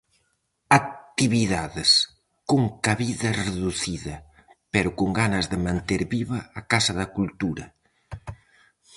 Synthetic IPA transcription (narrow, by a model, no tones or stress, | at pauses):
ak̚t̪iβiðaðɪs | koŋkaβiðɐreðuθiðɐ | pɛɾʊkoŋɡanɐzðɪmãnt̪eɾβiβɐːkasɐðɐkult̪uɾɐ